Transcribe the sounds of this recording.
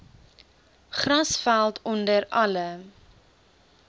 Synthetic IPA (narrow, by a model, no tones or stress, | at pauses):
χrɐsfælˠtʰɔndəɾɐlə